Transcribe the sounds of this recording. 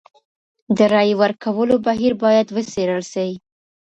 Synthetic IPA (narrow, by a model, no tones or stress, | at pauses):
d̪əɾɑjwəɾkawəlobaɦiɾbɑjad̪wəseɾəlʃawi